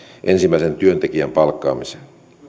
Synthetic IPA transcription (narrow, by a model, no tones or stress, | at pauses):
ʔensimːˑæisent̪yønt̪ekiæmpɑlkːɑ̰ːmise̥